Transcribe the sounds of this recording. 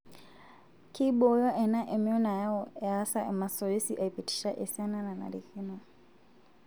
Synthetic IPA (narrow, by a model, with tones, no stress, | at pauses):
ki˦ɓɔ˨˦jɔ˦ʔɛ˨na˦ʔɛ˨miɔ˦na˨ja˦ɔa˦sa˨ʔɛma˨sɔ˨je˦si˦ʔa˨ipiti̥˦ʃa˦ʔɛ˨sa˦nana˨na̰ɾi˨ki˦nɔ